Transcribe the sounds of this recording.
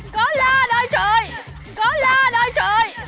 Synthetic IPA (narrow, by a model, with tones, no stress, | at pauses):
kɔ˨˦laː˧ɗə˧˦jt͡ɕəː˧˨˩j | kɔ˨˦laː˧ɗə˧˦jt͡ɕəː˧˨˩j